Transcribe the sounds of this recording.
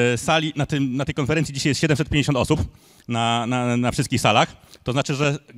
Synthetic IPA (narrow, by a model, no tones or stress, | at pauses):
salʲinat̪ɘmnat̪ɛjkɔnfɛɾɛnt̪sʲid͡ʑiɕajɛst̪ɕɛd̪ɛmsɛt̪pʲjeɲd͡ʑeɕɔnt̪ɔsup | nananafʂɨst̪̚kʲixsalaxt̪ɔznat͡ʂɘʐɛ